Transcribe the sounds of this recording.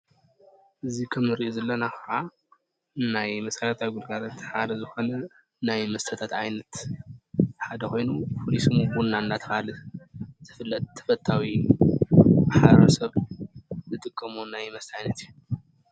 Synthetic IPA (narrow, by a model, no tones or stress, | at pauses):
ʔɨzikʰɐmɨɾiʔozɐlːɐnaxɐʕa | najmɐsɐɾɐt̪ʰawiɡud̪ɡaɾɐt̪ħad̪ɐzɨxo̞nɐ | najmɐst̪ʰɐt̪ʰat̪ʕajnɐt̪ | ħad̪ɐxo̞jnufʰolisɨmubunːand̪at̪ʰɐ̥kalɨt̪ʰɨ̥fɨlːɐt̪ʰːɐ̥fɐt̪ʰːawi | ħaɾɐsɐβ | zɨt̪ʼɨkʼːɐmonajmɐst̪ʰajnɐt̪ʰijːu